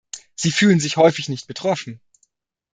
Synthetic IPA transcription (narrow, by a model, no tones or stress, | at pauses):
z̥iːfyːlənzɪçhɔʏfɪçnɪçt̚b̥ətʁ̥ɔfn̩